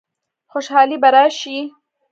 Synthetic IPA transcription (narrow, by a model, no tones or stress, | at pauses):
xʊʃhɑːlibaɾɑʃi